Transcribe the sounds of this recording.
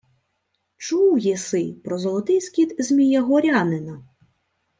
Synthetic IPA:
t͡ʃuwjɛsɪpɾɔzɔlˠɔt̪ɪjskʲit̪zʲmʲijɐɦɔɾʲanɪnɐ

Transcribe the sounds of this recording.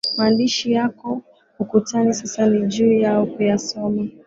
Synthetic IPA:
maːndiʃijakɔ | hukutanisasaniʄuːjaɔkujasɔma

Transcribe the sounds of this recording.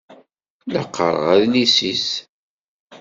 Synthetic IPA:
ləqːə̰ɾˤə̰ʁæðnisis

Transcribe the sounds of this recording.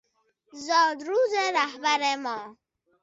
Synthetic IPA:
zɔːd̪ɾuːzeɾahbaɾemɔː

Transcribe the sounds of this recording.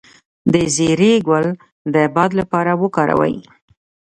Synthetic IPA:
d̪əzeɾeɡwal | d̪əbɑd̪lapɑɾawəkɑɾa̰wa̰j

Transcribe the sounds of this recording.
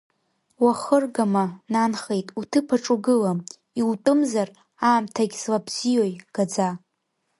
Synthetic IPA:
waχərɡamananχe̞jtʼutʰɨpʰaʈ͡ʂʼuɡɨlam | iwtʼɨmzar | aːmtʰaɡʲslabz̥ijojɡ̥ad͡za

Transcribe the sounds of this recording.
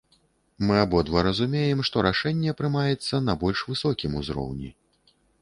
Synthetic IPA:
mɨabɔd̪vɐɾɐzumʲejɛmʂt̪ɔɾaʂɛnʲːɛpɾɨmajɛt̪sːɐnɐbɔlʲʂvɨsɔkʲimuzɾɔ̰wnʲḭ

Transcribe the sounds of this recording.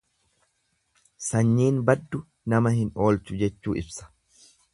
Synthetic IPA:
sɐɲːiːnbɐd̪ːʊ | nɐmɐhɪno̞ːlt͡ʃʊd͡ʒɛt͡ʃːuːʔɪbsɐ̥

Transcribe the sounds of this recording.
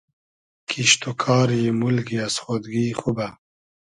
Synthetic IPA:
kʰiʃt̪okʰɑːɾjemulɡiasχod̪ɡiːχuba

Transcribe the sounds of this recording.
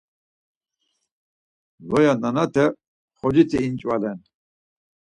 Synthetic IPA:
lɔjananat̪ʰɛ | χɔd͡ʒit̪ʰiːnt͡ʃʼvalɛn

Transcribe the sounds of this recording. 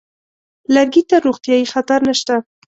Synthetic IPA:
laɾɡit̪ːaɾoɣt̪jɑjixat̪aɾnəʃt̪a

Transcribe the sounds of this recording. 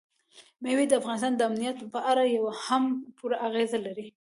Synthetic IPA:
mewid̪əafɣɑnɪs̬t̪ɑnd̪əamnijat̪pəʔaɾajawahampuɾaʔaɣezalaɾi

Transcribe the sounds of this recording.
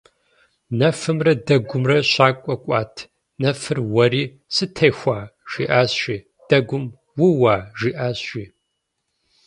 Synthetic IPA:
nɐfɨmrɐdɐɡʷʊmrɐɕaːkʷʼɔkʷʼaːtʰ | nɐfɨrwɐɾiː | sɨtʰɐjxʷaːʒ̥ḭːʔaːsɕʷiː | d̥ɐɡʷʊm | wʊwaːʒiːʔaːsɕʷiː

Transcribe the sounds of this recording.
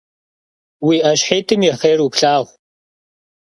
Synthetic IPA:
wiːʔɐɕħeːtʰɨmjɛχeːrupɬaːʁʷ

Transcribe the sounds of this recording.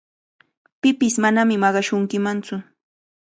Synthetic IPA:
pɪpɪsmanamɪmɑɢɑʃʊŋkɪmant͡sʊ

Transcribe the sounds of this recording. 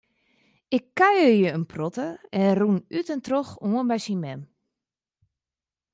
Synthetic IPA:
ɪkːajərjəənpʰrɔtəɛnrunytɛntroxoənbɛjsimɛm

